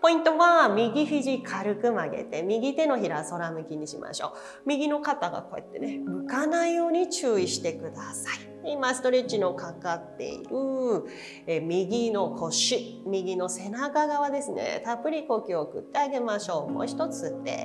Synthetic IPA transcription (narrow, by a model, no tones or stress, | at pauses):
po̞ĩnt̪o̞βamʲiɡʲiɸiʑikʰaɾɯ̟kɯ̟maɡḛt̪e̞mʲiɡʲit̪e̞no̞çiɾaso̞ɾamɯ̟kʲiɲ̟iɕimʔa̰ɕo̞̰ː | mʲiɡʲino̞kat̪aɡa̰ko̞e̞̰t̪ːe̞̰ne̞ɯ̟kanaijo̞ːɲ̟it͡ɕɨːiɕi̥t̪e̞kɯ̟d̪asai | imasɨ̥t̪o̞ɾet͡ɕino̞kʰakat̪ːe̞̰ḭɾɯ̟ | emʲiɡʲino̞kʰo̞ɕɨ | mʲiɡʲino̞se̞nakaɡaβad̪e̞sɨnḛt̪apɯ̟ɾʲiko̞kʲiokɯ̟t̪ːe̞aɡe̞maɕo̞ːmo̞̰ːçi̥t̪o̞t͡sɨt̪ːe̞̰